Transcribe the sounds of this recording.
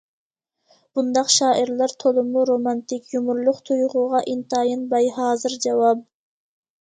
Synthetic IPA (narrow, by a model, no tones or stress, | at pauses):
b̥und̪ɑqʃɑːʔiɾlˠɑɾt̪ʰolˠʊmuɾomɑnt̪ɪkʲjumuɾlˠʊqt̪ʰujʁʊʁɑʔint̪ɑːjinbɑjhɑːzɨɾd͡ʒɑwɑp̚